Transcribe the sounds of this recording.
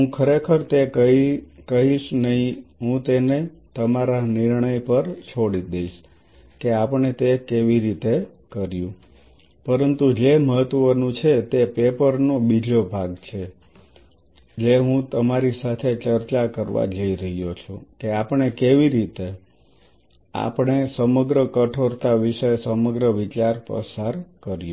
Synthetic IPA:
ɦũkʰəɾekʰəɾt̪ekəikəɦiʃnəɦĩɦũt̪ene | t̪əmaɾanɪɾɳəjpəɾt͡ʃʰoɽid̪eiʃ | keapəɳ̃et̪ekeʋiɾit̪e | kəɾjũ | pəɾənt̪ud͡ʒeməɦət̪ʋənũt͡ʃʰet̪epepəɾnobid͡ʒobʱaɡt͡ʃʰe | d͡ʒeɦũt̪əmaɾisat̪ʰet͡ʃəɾt͡ʃakəɾʋa̰d͡ʒəiɾəɦjot͡ʃʰũkeapəɳ̃ekeʋiɾit̪e | a̰pɳ̃esəməɡɾəkəʈʰoɾt̪aʋiʃəsəməɡɾəʋit͡ʃaɾpə̰saɾkəɾjũ

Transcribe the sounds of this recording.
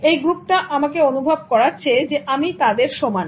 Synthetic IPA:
ejɡɾupʈaʔamakeonubʱab̚kɔɾatːɕʰed͡ʑeʔamit̪ad̪eɾʃoman

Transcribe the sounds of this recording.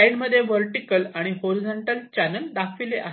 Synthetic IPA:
aiɳɖməd̪ʱːjeʋəɾʈikəlaɽ̃iɦoɾid͡zoɳʈəlt͡ɕænəld̪akʰʋileʔa

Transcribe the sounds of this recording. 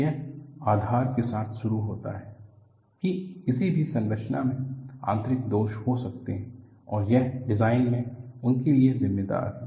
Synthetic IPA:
jɛɦaːd̪ʱaːɾkesaːt̪ʰʃʊɾuɦoːt̪a̰ɦɛː | kiɪsibʱisɐ̃nɾəʃʰnamẽã̰ːnt̪ɾɪkd̪oːʃhosɐk̚t̪eɦɛ̃ | ɔːɾjɛɦɖɪzaːɪnmẽʊnkeliezɪmːed̪a̰ːɾɦɛ

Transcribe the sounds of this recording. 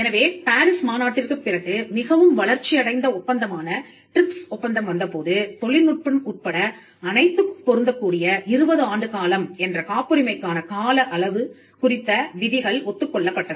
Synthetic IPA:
ɛnɐʋeːpaːɾɪsmaːnaːʈːɪrkɯpːɪrɐɣɯmɪɣɐʋɯmʋɐɭɐɾt͡ʃːɪjɐɽɐɪnd̪ɐɔpːɐnd̪ɐmaːnɐ | ʈɾɪpsɔpːɐnd̪ɐmʋɐnd̪ɐpoːðɯt̪ɔɭɪnʊʈ̚pɐnkuːʈ̚pɐɽɐ | ɐnɐɪt̪ːɯkpːɔɾɯnd̪ɐkːuːɽɪjɐʔɪɾɯbɐðɯaːɳɖɯkaːlɐmɛndrɐkaːpɯɾɪmɐɪkːaːnɐkaːlɐʔɐɭɐʋɯ | kʊrɪt̪ːɐʋɪðɪɣɐɭɔt̪ːɯkːɔɭːɐpːɐʈːɐðɯ

